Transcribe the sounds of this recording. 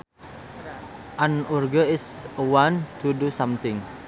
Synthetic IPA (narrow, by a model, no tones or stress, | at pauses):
ʔanurɡəɪsəwant̪udusamt̪ʰɪŋ